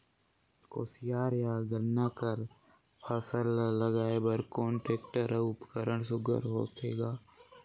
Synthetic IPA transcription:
koːsijaːɾjaːɡəɾnakəɾ | pʰaːsəlːəɡaːebəɾkõːɳʈeːk̚ʈəɾʊpə̥kəɾəɳ̃sʊɡə̰ɾɦo̰ːt̪eːɡaː

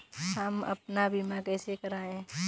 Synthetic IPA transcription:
ɦɐmɐ̰pnabʱimãkɛːsekɐɾaːẽː

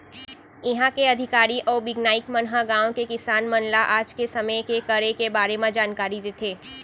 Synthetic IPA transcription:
ɪɦãkeɐd̪ʱɪkaːɾiʔɔːɾbɪɡnaːɪkmɐnɦaɡãːõkekɪsaːnmɐnlaʔaːd͡ʒkesɐməjkekɐɾekebaːɾemãd͡ʒaːnkaːɾid̪eːt̪ʰeː

